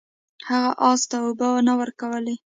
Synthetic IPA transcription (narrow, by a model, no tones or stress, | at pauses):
haɣaʔɑzt̪aʊbawanawəɾkawəle